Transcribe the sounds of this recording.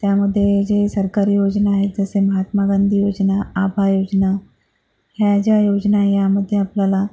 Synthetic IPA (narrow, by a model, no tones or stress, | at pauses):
t̪jaməd̪ʱːjed͡ʑesəɾkaɾijod͡ʑnaaɦet̪̚d͡zəseməɦat̪maɡand̪ʱijod͡ʑnaabʱajod͡ʑna | ɦjad͡ʑjajod͡ʑnajaməd̪ʱːjeapljala